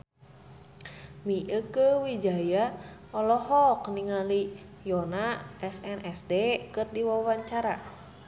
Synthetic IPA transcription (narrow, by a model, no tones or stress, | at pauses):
miʔəkəwid͡ʒajaɔlɔhɔkniŋali | jɔnaʔɛsɛnʔɛsdekɨrdiwawaɲt͡ʃaɾa